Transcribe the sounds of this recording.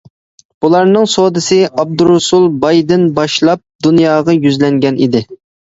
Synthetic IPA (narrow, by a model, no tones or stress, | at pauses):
b̥ulˠɑɾnɨŋsod̪ɨsɪʔɑb̚d̪uɾʊsulˠbɑjd̪ɪnbɑʃlˠɑp̚d̪unjɑːʁɑjyzlɛŋɡʲɛnid̪ɪ